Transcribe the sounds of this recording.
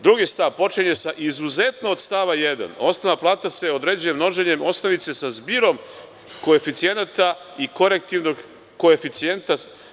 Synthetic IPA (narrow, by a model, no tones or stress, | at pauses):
d̪ɾuɡist̪aʋpo̞t͡ʃiɲe̞saʔizuze̞t̪noːd̪st̪aʋaje̞d̪a̰no̞st̪aʋaplˠaːt̪ase̞o̞d̪ɾe̞ːd͡ʑujemno̞ʒeɲe̞mo̞st̪aʋise̞sazbiɾo̞m | ko̞efit̪sije̞nat̪aiko̞ɾe̞k̚t̪iʋno̞ɡː | o̞efit̪sie̞nt̪a